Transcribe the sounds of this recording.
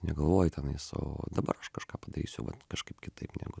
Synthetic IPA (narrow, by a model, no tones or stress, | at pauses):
nʲɛɡɐlˠʋoːjʊt̪ʲɛnɐɪso̰ːd̪ɐbɐ̰ɾɐʃkɐʃkɑːpɐd̪ɐɾʲiːsʲʋɐt̪kɐʃkɐɪpkʲɪt̪ɐɪpnʲæ̰ɡʊ